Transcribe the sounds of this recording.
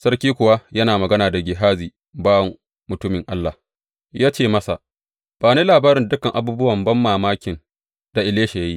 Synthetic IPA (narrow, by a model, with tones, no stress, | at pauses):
sɐ˦rkʲiː˦kʷʊ˨wa˦jɐ˦naː˨mɐ˨ɡɐ˦naː˨da˨ɡʲɪ˨ɦaː˦ziː˨ | baː˦wɐ˨ŋ | mʊ˨tʊ˦mɪ˨ŋʔa˦lːa˨ | jaː˦t͡ʃeː˦˨mɐ˦sa˨ | b̥aː˨neː˦laː˨baː˦ɾɪ˨ndʊ˦kɐ˨ŋʔa˨buː˦bʊ˦wɐ˨mbɐ˦mːaː˨maː˦kʲɪ˨n | d̥a˨ʔɪ˨leː˦ʃa˨ja˦ji˦